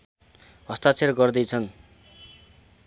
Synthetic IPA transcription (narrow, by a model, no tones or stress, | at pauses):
ɦʌst̪at͡sʰerɡʌrd̪ʌjt͡sʰʌn